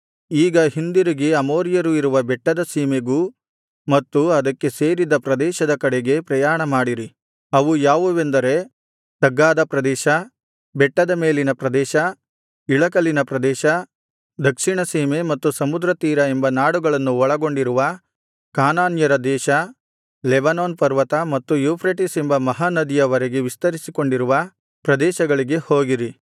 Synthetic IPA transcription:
iːɡɐɦind̪iɾiɡeɐmoːɾjɐɾuiɾuʋɐbɛʈːɐd̪ɐsiːmeɡu | mɐt̪ːuɐd̪ɐkːe̞se̞ːɾid̪ɐpɾɐd̪ɛːʃɐd̪ɐkɐɽeɡe̞pɾɐjaːɳɐmaːɽiɾi | ɐʋujaːʋuʋe̞nd̪ɐɾe̞ | t̪ɐɡːaːd̪ɐpɾɐd̪ɛːʃɐ | bɛʈːɐd̪ɐme̞ːlinɐpɾɐd̪ɛːʃɐ | iɭɐkɐlinɐpɾɐd̪ɛːʃɐ | d̪ɐkʂiɳɐsiːme̞mɐt̪ːusɐmud̪ɾɐt̪iːɾɐembɐnaːɽuɡɐɭɐnːuɔɭɐɡo̞ɳɖiɾuʋɐ | kaːnaːnjɐɾɐd̪ɛːʃɐ | lɛbɐnoːnpɐɾʋɐt̪ɐmɐt̪ːujuːpʰɾeʈisembɐmɐɦanɐd̪ijɐʋɐɾeɡe̞ʋist̪ɐɾisiko̞ɳɖiɾuʋɐ | pɾɐd̪ɛːʃɐɡɐɭiɡe̞hoːɡiɾi

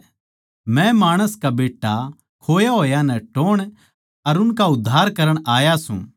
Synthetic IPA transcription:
mɛ̃maːɽ̃əskabeːʈːa | kʰoːjaɦoːjanɛʈoːɽ̃ | ɐɾʊnkaʊd̪ʱːaːɾkɐɾəɽ̃aːjasṵ̃

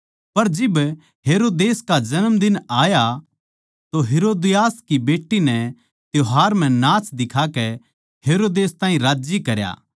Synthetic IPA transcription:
pɐɾd͡ʒɪb | ɦeːɾoːd̪eːskad͡ʒɐnəmd̪ɪnaːja | t̪oɦeːɾoːd̪ɪjaːskibeːʈːinɛ | t̪joɦaːɾm̤ɛ̃naːt͡ʃd̪ɪkʰakɛ | ɦeːɾoːd̪eːst̪ãːĩɾaːd͡ʒikɐɾja̰ː

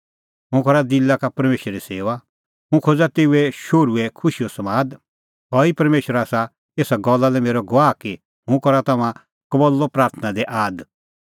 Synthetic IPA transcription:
ɦʊ̃kɔɾad̪ilːakapɐɾmeːʃɾɾiseːʋa | ɦũkʰod͡zat̪eːuɛʃoɾuɛkʰʊʃiosɐmaːd̪ | ɦɔːipɐɾmeːʃəɾaːsa | eːsaɡɔlːalɛmeːɾɔɡʊʋaːki | hʊ̃kɔɾat̪ɐmã | kɐbɔlːɔpɾaːɾt̪ʰənad̪ɛʔaːd̪

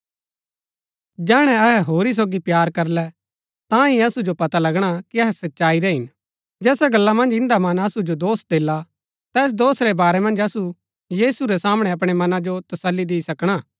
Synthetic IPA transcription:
d͡ʒɛːɽ̃ɛ̃ɐɦɛɦoːɾis̬oːɡipjaːɾkɐɾlɛ | t̪ãĩɐsud͡ʒopɐt̪alɐɡɽ̃akiɐɦɛsɐtːʃaːiɾɛɦɪn | d͡ʒɛːsaɡɐlːamɐ̃nd͡ʒɪ̃nd̪amɐnɐsud͡ʒod̪oːsd̪eːla | t̪ɛːs̬d̪oːsɾɛbaːɾɛmɐ̃nd͡ʒɐsu | jiːsuɾɛsaːmɽ̃ɛɐp̬ɽ̃ɛmɐnad͡ʒot̪ɐsəlːid̪ɪisɐkɽ̃aː

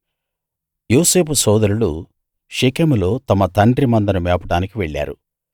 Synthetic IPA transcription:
joːse̞ːpusɔːd̪ɐɾulṵ | ʃekemulo̞ːt̪ɐmɐt̪ɐɳɖɾimɐnd̪ɐnɐmɛːpɐʈaːnikiʋeɭːa̰ːɾṵ

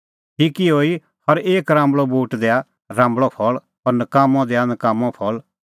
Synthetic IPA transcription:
ʈʰiːkiɦoːi | hɐɾeːkɾãːmbɭɔbuːʈd̪ea | ɾãːmbɭɔpʰɔɭ | ɔːɾnɐkaːmɔ̃d̪ɛanɐkaːmɔ̃pʰɔl

